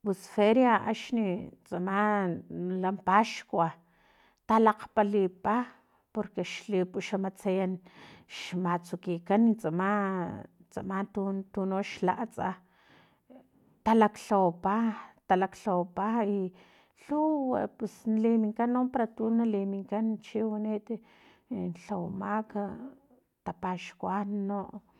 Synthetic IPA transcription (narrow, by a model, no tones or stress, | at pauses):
pusfeɾjaa̰ʃnit͡sʼama | lampaʃkʷa | t̪alaqpalipa | poɾkeʃlipuʃamat͡sajanʃmat͡sukikanːit͡sʼama | t͡sʼamant̪unt̪unoʃla̰ʔt͡sʼa | t̪alakɬawpat̪alakɬawpai | ɬuwapesnalimiŋkanːompaɾat̪unalimiŋkant͡ʃiwanit̪ | nɬawmaka | t̪apaʃkwanoʔ